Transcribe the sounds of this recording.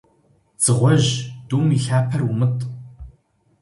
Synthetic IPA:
d͡z̥ɨʁʷɔʑd̥uːmiːɬaːpʰɐrumɨtʼ

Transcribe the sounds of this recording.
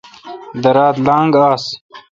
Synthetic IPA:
d̪ɐɾaːt̪laːŋɡaːs

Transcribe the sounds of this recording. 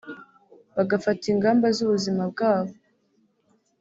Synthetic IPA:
βaɡafatiŋɡaːmbazuβuzimab̚ɡaːβo

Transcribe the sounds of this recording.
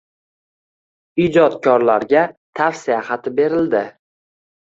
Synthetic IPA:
id͡ʒɒt̪kʲʰɒɾlaɾɡʲat̪ʰafsijaχɑt̪ʰɪbe̞ɾɪld̪ɪ

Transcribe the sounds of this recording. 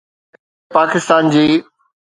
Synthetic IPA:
paːkɪst̪aːnd͡ʑiː

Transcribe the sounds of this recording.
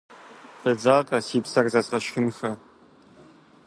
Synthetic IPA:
b̥ɨd͡zaːqʼɐsiːpsɐrzat͡sʼqɐʃxʲɪnxɐ

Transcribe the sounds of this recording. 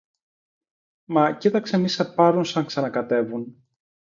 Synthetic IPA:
mɐcit̪ɐkse̞misɐpɐɾunsɐŋksɐnɐkɐt̪e̞vun

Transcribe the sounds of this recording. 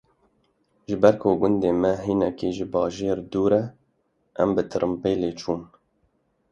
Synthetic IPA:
ʒɨbɛɾkʰoɡʊnd̪eːmɛɦiːnɛkiːʒɪbɑːʒeːɾd̪uːɾɛ | ʔɛmbɨt̪ʰɨɾɨmpeːleːt͡ʃʰuːn

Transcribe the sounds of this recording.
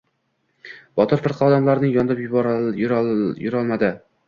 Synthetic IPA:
b̥ɒt̪ʰɪɾfɪɾqʰɑɒd̪amlaɾnɪŋjɒnd̪ɪpjʊbɾjɾjʊɾɒlˠmad̪ɪ

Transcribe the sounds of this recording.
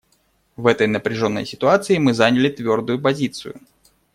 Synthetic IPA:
vɛt̪əjnəpɾʲɪʐo̞nːə̰jsʲɪt̪ʊat̪sɨɪmɨzanʲɪlʲɪt̪vʲo̞rd̪ʊjʊpɐzʲit̪sɨjʊ̰

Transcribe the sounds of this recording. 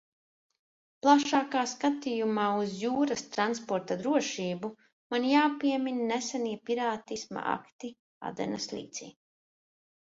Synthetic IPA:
plˠaʃaːkaːskat̪ijumaːuzjuːɾast̪ɾanspɔɾt̪ad̪ɾuɔʃiːbu | manjaːpiɛminnɛsaniɛpiɾaːt̪isma̰ʔa̰kt̪i | a̰d̪ɛ̰naslʲḭːt̪sḭː

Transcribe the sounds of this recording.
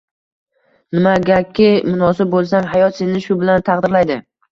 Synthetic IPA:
nɪmaɡʲakʲʰːɪmʊnɒsɪb̚bolˠsaŋɦajɒt̪se̞nɪʃʊbɪlant̪ʰaqd̪ɪɾlajd̪ɪ

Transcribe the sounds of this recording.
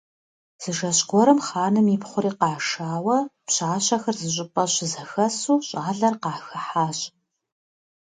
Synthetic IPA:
z̥ɨʒɐɕʼɡʷɔɾɨmχaːnɨmiːpχʷʊɾiːqɑːʂaːwɐpɕaːɕɐxɐrzɨɕ̬ʼɪpʼɐɕɪzɐxɐsuːɕʼaːɮɐrqɑːxɐħaːɕʼ

